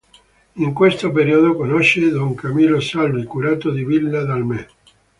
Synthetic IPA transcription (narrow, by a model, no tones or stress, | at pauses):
iŋkwest̪opeɾiod̪okonɔʃːed̪oŋkamiːlosalvikuɾaːt̪od̪ivilːad̪almɛ